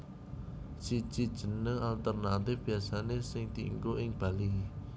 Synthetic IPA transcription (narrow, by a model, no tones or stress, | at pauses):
si̥ʒ̥id̥ʒ̥ə̤nəŋalt̪ərnat̪ɪfb̥i̤asanesɪŋd̪̥ḭŋkoʔɪŋb̥a̤li